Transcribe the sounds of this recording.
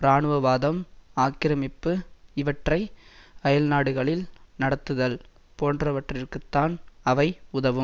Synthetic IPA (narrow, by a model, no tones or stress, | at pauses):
ɾaːnɯʋɐʋaːðɐmaːkɪɾɐmɪpːɯɪʋɐʈrɐɪɐjɐlnaːɽɯɣɐɭɪlnɐɽɐt̪ːɯðɐl | poːndrɐʋɐʈrɪrkɯt̪ːaːnɐʋɐɪʊðɐʋɯm